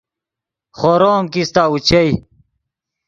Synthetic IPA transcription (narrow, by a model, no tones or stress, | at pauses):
χoɾoːmkist̪aːut͡ɕʰej